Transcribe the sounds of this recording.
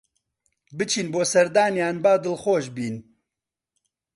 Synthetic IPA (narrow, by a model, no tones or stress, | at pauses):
bɨt͡ʃʰiːnboːsɛɾd̪aːnjaːnbaːd̪ɨlxoːʃbiːn